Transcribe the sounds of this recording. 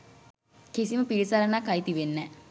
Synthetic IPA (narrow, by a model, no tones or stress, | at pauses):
kisiməpiɾisaɾənakːajt̪iʋenːə